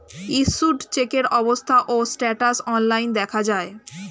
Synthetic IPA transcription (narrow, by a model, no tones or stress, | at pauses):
isuɖt͡ɕekeɾɔbost̪ʰaʔosʈɛʈasɔnlajnd̪ɛkʰad͡ʑae